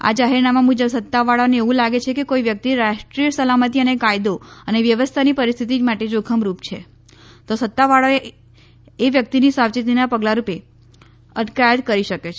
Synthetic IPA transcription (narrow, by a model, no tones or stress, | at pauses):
a̰d͡ʒaɦiɾnamamud͡ʒəbsət̪ːaʋaɭaneeʋũlaɡet͡ʃʰekekoiʋjək̚t̪iɾaʃʈɾijəsəlamət̪iənekajd̪oəneʋjəʋəst̪ʰanipəɾist̪ʰit̪imaʈed͡ʒokʰəmɾupt͡ʃʰḛ | t̪osət̪ːaʋaɭoe | eʋjək̚t̪inisaʋt͡ʃit̪inapəɡlaɾupe | əʈ̪kajət̪̚kəɾiʃəket͡ʃʰe